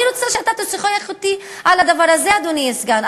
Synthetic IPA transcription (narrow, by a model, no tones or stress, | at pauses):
ilut͡saʃeat̪at̪osiχojaχot̪i | alad̪avaʁazead̪oniesɡan